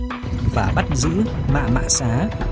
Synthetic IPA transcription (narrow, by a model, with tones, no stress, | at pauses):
vaː˨˩ɓa˦˥t̚zɨ̰˧˥ma̰ː˧˨ma̰ː˧˨saː˨˦